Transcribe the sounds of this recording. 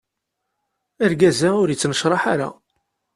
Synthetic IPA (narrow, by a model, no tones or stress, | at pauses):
əɾɡæzaʊɾjət͡sːnəʃɾˤɑħaɾa̰